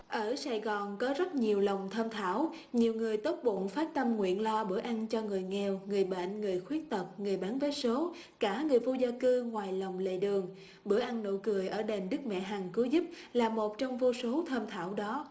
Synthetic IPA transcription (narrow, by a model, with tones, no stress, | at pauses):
ʔəː˧˩saː˧˨jɣɔ˨˩nkɔ˨˦zə˦˥t̚ɲi˨˩əwlə˨˩wŋ͡mt̪ʰəː˧mt̪ʰa̰ː˧˩w | ɲi˨˩əwŋɨ˨˩əjt̪o˦˥t̚ɓo̰˧˨nfaː˦˥t̚t̪ə˧mŋwḭ˧˨ənlɔ˧ɓɨ˧˩əʔa˧ŋt͡ɕɔ˧ŋɨ˨˩əjŋɛ˧wŋɨ˨˩əjɓə̰˧˨nŋɨ˨˩əjxwi˦˥ət̚t̪ə˨˩p̚ŋɨ˨˩əjɓaː˨˦nvəː˨˦jso˨˦ | kaː˧˩ŋɨ˨˩əjvo˧zaː˧kɨ˧ŋwaː˨˩jlə˨˩wŋ͡mlḛ˧˨ɗɨ˨˩əŋ | ɓɨ˧˩əʔa˧jŋno̰˧˨jkɨ˨˩əjʔəː˧˩ɗe˨˩mɗɨ˦˥k̚mɛ̰˧˨ɦaː˨˩ŋko˨˦zɨ˦˥p̚ | laː˨˩mo˨˩t̚t͡ɕɔ˧wŋ͡mvo˧so˨˦t̪ʰəː˧mt̪ʰaː˧˩wɗɔ˨˦